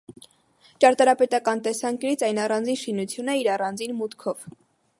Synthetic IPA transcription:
t͡ʃɑɾt̪ɑɾɑpɛt̪ɑkɑnt̪ɛsɑŋkjunit͡sʰɑjnɑrɑnd͡zinʃinut͡sʰjunəiɾɑrɑnd͡zinmut̪kʰɔv̥

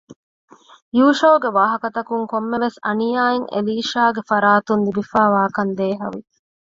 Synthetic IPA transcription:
juːʃoːɡeʋaːɦɐkɐt̪ɐkuŋkomːeʋesɐ̰nijaːeŋʔḛliːʃaːɡefɐɾaːt̪und̪ibifaːʋaːkɐnd̪eːɦɐ̰ʋi

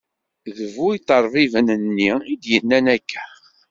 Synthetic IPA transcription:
ðəvujt̪ˤəɾˤvivənənːiid̪jənːænækːæ̥

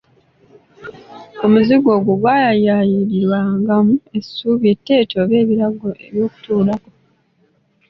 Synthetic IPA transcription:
omuziɡo̞ːɡuɡwaːjajajiɾiɾwaŋɡamue̞suːβjetːe̞ːtoβe̞ːβiɾaɡoeβjo̞ːku̥tuːlako

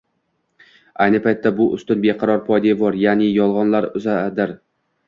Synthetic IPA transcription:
ajnɪpʰajt̪ʰːabʊʔʊ̰st̪ɪnbeqʰɑɾɒɾpʰɒjd̪evɒɾjaːnɪjɒlˠʁɒnlaɾʊzad̪ɪɾ

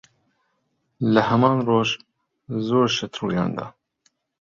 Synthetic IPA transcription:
ləhɛmɑːnroːʒ | zoːɾʃɛt̪ɾuːjɑ̰ːnd̪ɑ̰ː

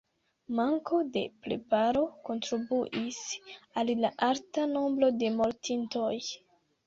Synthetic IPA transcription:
maŋko̞de̞̰pɾe̞̰paɾo̞ko̞ntɾibuʔisallaʔaɾtanombɾo̞de̞mo̞ɾtinto̞j

